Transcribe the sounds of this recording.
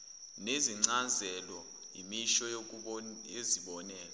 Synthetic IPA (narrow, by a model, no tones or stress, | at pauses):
neziŋ͡ǀazɛlɔ | ḭmiʃɔ | eziɓɔnɛːlɔ